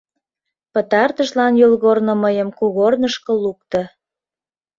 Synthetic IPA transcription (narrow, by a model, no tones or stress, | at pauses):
pət̪ɑrt̪əʒlɑnjolɣornə̆məjəmkuɣornəʃkɤ̆luk̚t̪ɤ̆